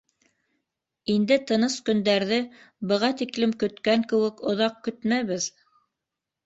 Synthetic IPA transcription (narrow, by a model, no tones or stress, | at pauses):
ind̪ɘt̪ɤ̆nɤskɵ̆nd̪æɾðɘ | bɤ̆ʁɑt̪iklɘmkɵ̆t̪kæŋkɘ̆wɘkŏðɑq̚kɵt̪mæβɘð